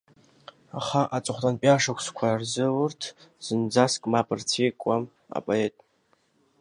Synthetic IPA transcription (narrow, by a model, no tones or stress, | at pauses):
aχaʔat͡sʼʊχʷtʼanpʼjaʂakʷʰskʷʰarzɨwʊrtʰz̥ɨnd͡zaskʼmapʰʼɨrt͡sʰejkʷʼam | a̰pʼoetʼ